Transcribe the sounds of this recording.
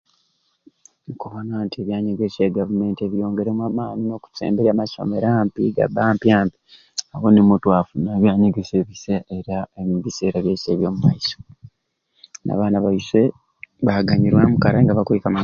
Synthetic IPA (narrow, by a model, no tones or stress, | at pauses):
ŋkuβanwaːntieβjaːɲeɡeseːɡavume̞ːntieβijo̞ːŋɡe̞ɾemwaːmaːnino̞ːku̥sḛːmbeɾamaso̰me̞ɾaːmpiɡa̰baːmpjaːmpi̥ | awonimutwaːfunaβjaːɲeɡeseβiseeɾaeβise̞ːɾaβje̞ːeːβjo̞ːmumajiso̥ | na̰βaːnaβaiswe | βaɡaɲiɾwamukaɾaŋɡaβakwekama